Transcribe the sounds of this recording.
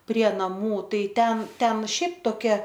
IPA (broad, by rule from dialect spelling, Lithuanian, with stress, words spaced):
pʲrʲiɛ nɐˈmuː ˈtɐɪ ˈtʲɛn ˈtʲɛn ˈʃʲɛɪp toːˈkʲɛ